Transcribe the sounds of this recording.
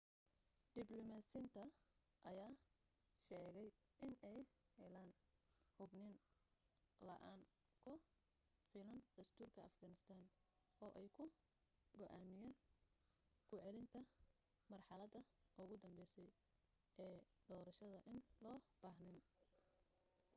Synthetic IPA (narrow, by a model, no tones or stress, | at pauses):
d̪̥ɪblɔmasɪnt̪ʰɐ | ʔɐjaː | ʃɛːɣɛj | ʔɪnɛjhɛlaːnhʊbnɪn | lɐʔaːŋ | kʰʊ | fiːlɐnd̪̥ɐst̪ʰuːrkʰɐɐ̰fɡɐnɪst̪ʰaːn | ɔːʔɛjkʰʊ | ɡɔʔaːmɪjaːn | ɡ̥ʊʕɛlɪnt̪ʰɐ | mɐrħɑlɐd̪ɐʔʊɣʊd̪ɐmbɛjsɛj | ɛː | d̪̥ɔːɾɐʃɐðɐʔɪnlɔːb̥aːɦnɪn